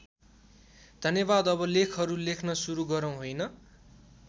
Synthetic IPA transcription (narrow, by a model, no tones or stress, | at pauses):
d̪ʱʌnjʌbad̪ʌbʌlekʰɦʌɾulekʰnʌsuɾuɡʌɾʌw̃ɦojnʌ